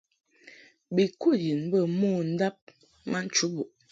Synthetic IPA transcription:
bi˨ku˦˨ji˨nbə˦˨mo˦˨n̩˦da˦p̚ | ma˦n̩˦t͡ʃu˦bu˨ʔ

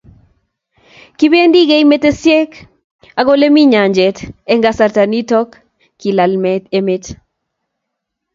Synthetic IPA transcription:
ki˦be˦ndi˦ɡe˦jme˦te˦sjɛ˦k | a˨ɡo˦le˦mi˦ɲa˨ɲd͡ʒɛtɛ˦ŋɡasartanitɔ˦kː | ilalmɛtemet

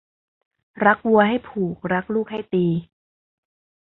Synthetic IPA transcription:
ɾa˦˥k̚wu˧ɐɦa˥˩jpʰuː˨˩k̚ɾa˦˥k̚luː˥˩k̚ha˥˩jt̪iː˧

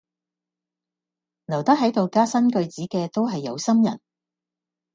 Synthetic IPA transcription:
nɐ˨˩wt̪ɐ˥k̚ɦɐ˨˥jt̪o˨wkaː˥sɐ˥nkɵ˧ɥt͡siː˨˥kɛː˧t̪o˥wɦɐ˨jːɐ˨˧wsɐ˥mjɐ̰˨˩n

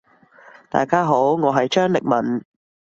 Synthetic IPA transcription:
t̪a̰ː˨jkaː˥ɦo˨˥wŋɔː˨˧ɦɐ˨jt͡ʃœː˥ŋlɪ˨k̚mɐ˨˩n

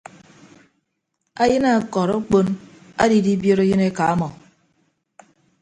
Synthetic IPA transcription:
a˦jɨ˦na˨kɔ˨ɾo˦k͡po˦na̰˦di˨di˦bjo˦ɾo˦ji˦ne˦ka˨a˦mɔ˨

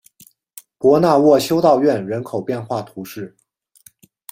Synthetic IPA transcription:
pwɔ˧˥na˥˧wɔ˥˩ɕjo˥ʊt̪ɑ˥˧ʊɥɛ˥˩nɻə˧˥nkʰo˨˩ʊpjɛ˥˧nxwa˥˩t̪ʰu˧˥ʂɻ̩˥˩

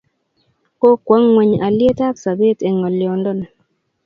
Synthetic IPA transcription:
ko˦kwa˨˦ŋŋwe˨ɲa˨lje˦ta˦ksa˨be˦te˨ŋɔ˨ljɔ˨ndɔ˦n˨

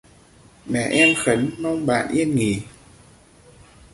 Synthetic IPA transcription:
mɛ̰˧˩˨ʔɛ˧mxə˨˦nmɔ˧wŋ͡mɓa̰ː˧˨nʔi˧ənŋi˨˩

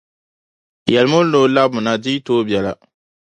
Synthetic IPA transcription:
jɛ˨lmo˦no˦la˦bmʊ˨na˦di˦toː˦bjɛ˨la˨

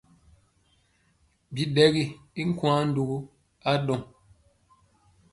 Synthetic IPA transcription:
bi˨dɛ˦ɣi˦˨i˦ŋ̩˦kw̃ã˦n̩˦du˨ɡu˦ | a˦dɔ˨ŋ

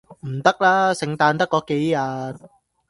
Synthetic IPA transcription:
m̩˨˩t̪ɐ˥k̚laː˥sɪ˨˧ŋt̪aː˧nt̪ɐ˥kːɔː˨˥ke˨˥jːaː˨n

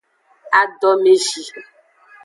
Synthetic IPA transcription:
a˨ɖɔ˦me˨ʒi˨

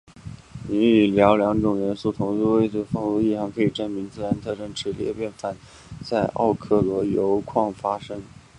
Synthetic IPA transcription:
ni˧˥i˨˩ljɑ˧˥ʊljɑ˧˥ŋʈ͡ʂʊ˨˩ŋɥɛ˧˥nsu˥˩t̪ʰʊ˧˥ŋu˥˧we˥˧ɪʈ͡ʂə˥˩fɑ˥˧ŋu˥˧i˥˩ʈ͡ʂɑ˧˥˩ŋkʰɤ˧˥i˨˩ʈ͡ʂə˥nmi˧˥ŋt͡sɹ̩˥˩ɻa˧˥nt̪ʰɤ˥˧ʈ͡ʂɤ˥˩ŋʈ͡ʂʰɻ̩˧˥ljɛ̰˥˧pjɛ˥˩nfa˥˩˦n | t͡sa˥˧ɪʔɑ̰˥˧ʊkʰɤ˥˩lɔ˧˥jo˧˥ʊkʰwɑ˥˩ŋfa˥ʂɤ˥ŋ

